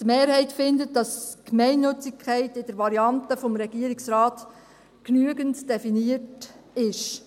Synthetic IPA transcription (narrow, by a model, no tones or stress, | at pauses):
d̥meːɾhɛɪtfɪndət̚d̥ɑskmɛɪnːɵt͡sɪkχɛɪtɪd̥əɾʋɑɾiɑntəfɔmɾɛɡ̥iəɾɪksɾɑːt | knyəɡəntd̥ɛfiniətɪʃ